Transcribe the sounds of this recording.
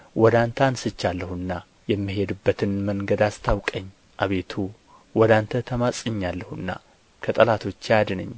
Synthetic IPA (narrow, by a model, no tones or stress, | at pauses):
wɔd̪ant̪ʰansɨt͡ʃːalːəhuɨnːa | jɛmːiɦe̞d̪ɨbːət̪ʰɨnməŋɡəd̪ast̪ʰawkʼəɲː | ʔaβe̞t̪ʰu | wɔd̪ant̪ʰət̪ʰəmasʼɨɲːalːəhuɨnːa̰ | kʰət̪ʼəlat̪ʰo̞t͡ʃːjad̪ɨnə̰ɲː